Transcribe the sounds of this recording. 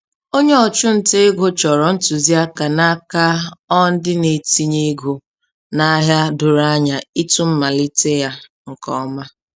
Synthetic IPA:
o˦ɲe˦ɔ˨t͡ʃʊ˦n̩˨te˦ɡo˦t͡ʃɔ˨ɾɔ˨n̩˦tu˨zi˦a˦ka˨na˦ka˦ɔ˦n̩˦dɪ˦ne˨ti˦ɲe˦ɡo˨ | na˦ɦja˦dʊ˨ɾa˦ɲa˨i˦tu˦m̩˦ma˨li˦te˦ja˦ | ŋ̩˨kɔ̰˨˦ma˦

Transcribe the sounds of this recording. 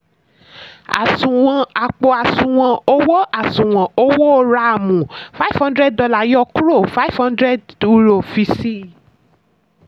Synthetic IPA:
a̰˨sũ˨w̃ɔ̃˧a˨k͡po˧a˨sũ˨w̃ɔ̃˧o˦wo˦a˨sũ˨w̃ɔ̃˨o˦wo˦o˧ɾa˦˧˨mũ˨fa˦i˦˨fhã˦ndɾɛ˦ddɔ˧la˨jɔ˦˧ku˦ɾo˦˨fa˦i˦˨fhã˦ndɾɛ˦du˨˧ɾo˨fi˧si˦˨

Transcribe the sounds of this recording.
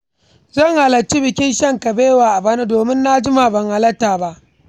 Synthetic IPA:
zɐ˦˨ŋha˨lɐ˨t͡ʃːi˦bɪ˨kʲɪ˦nʃɐ˦˨ŋkɐ˨beː˦waː˨ʔa˨baː˦na˦doː˨mɪ˦nːa˦d͡ʒɪ˦ma˨bɐ˨ŋha˨lɐ˦tːaː˨ba˦ʔ

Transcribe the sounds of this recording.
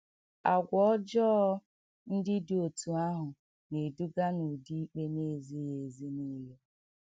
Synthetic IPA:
a˨ɡʷɔ˦ɔ˦d͡ʒɔ˦ | n̩˦dɪ˦do˨tu˨a˦ɦʊ˨ | ne˨du˦ɡa˦no˨di˦i˦k͡pe˦ne˦˨zi˦je˨zi˦ni˦le˦

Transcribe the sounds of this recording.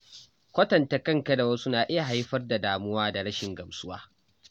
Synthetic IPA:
kʷɐ˦tɐ˨ntɐ˨kɐ˦ŋkɐ˦da˨wɐ˦su˦naː˨ʔɪ˦ja˨ɦa˦jɸɐ˦rda˨daː˨mʊ˦waː˦da˨ɽɐ˦ʃɪ˨ŋɡɐ˨msʊ˦waː˦

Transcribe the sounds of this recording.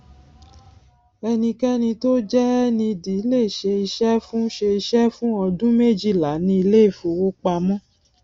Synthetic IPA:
ɛ˧nĩ˧kɛ˦nĩ˧to˦d͡ʒɛ˦nĩ˧di˨˦le˦˨ʃe˧i˧ʃɛ˦fũ˦ʃe˧i˧ʃɛ˦fũ˦ɔ˧dũ˦me˦˨d͡ʒi˦˨la˨˦nĩ˦i˧le˦i˦˨fu˨wo˦k͡pa˧mɔ̃˦

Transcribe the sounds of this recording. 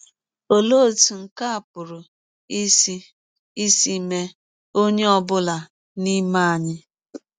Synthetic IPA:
o˨lo˦˨tu˨ŋ̩˨ka˦a˨pʊ˨ɾʊ˨ | i˦si˦ | i˦si˦me˦ | o˦ɲe˦ɔ˦bʊ˦la˨ | ni˦ma˦a˨ɲɪ˦

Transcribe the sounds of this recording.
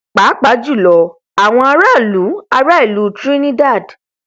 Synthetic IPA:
k͡pa˨˦k͡pa˨˦d͡ʒu˦˨lɔ˨ | a˨w̃ɔ̃˧a˧ɾa˦˨lu˨˦a˧ɾa˦i˦˨lu˨˦˨tɾi˦nĩ˦da˦˨d

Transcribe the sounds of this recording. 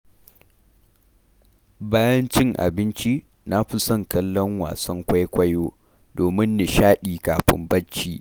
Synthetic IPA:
baː˦jɐ˦nt͡ʃɪ˦ŋʔa̰˨bɪ˦nt͡ʃi˦ | na˦ɸɪ˦sɐ˦˨ŋkɐ˦lːɔ˦ŋwa̰ː˨sɐ˦ŋkʷa˦jkʷɐ˦joː˦ | doː˨mɪ˦nːe˨ʃaː˦ɗiː˨kaː˨ɸɪ̰˦mbɐ˦t͡ʃːiː˦

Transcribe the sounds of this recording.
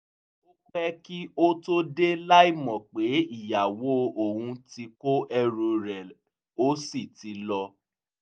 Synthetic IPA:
o˦k͡pɛ˦ki˦o˦to˦de˦la˦i˦˨mɔ̃˨k͡pe˨˦i˦˨ja˨wo˨˦o˨hũ˧ti˧ko˦ʔɛ˧ɾo˧ɾɛ˨ | o˦si˦˨ti˨˦lɔ˧

